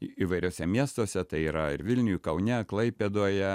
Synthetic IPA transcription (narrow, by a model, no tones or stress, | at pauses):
iːʋɐɪɾʲoːsʲɛmʲiɛst̪oːsʲɛt̪ɐɪiːɾɐɪ̰ɾʋʲɪlʲnʲʊjuːkɐʊnʲɛklˠɐɪpʲed̪oːjɛ